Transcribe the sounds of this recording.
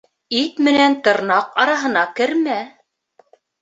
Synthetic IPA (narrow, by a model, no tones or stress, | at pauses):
it̪mɘ̆nænt̪ɤ̆ɾnɑqɑɾɑɦɤ̆nɑkɘ̆ɾmæ